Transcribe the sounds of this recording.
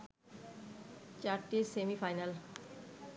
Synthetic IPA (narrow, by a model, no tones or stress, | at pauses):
t͡ɕaɾʈisemifajnal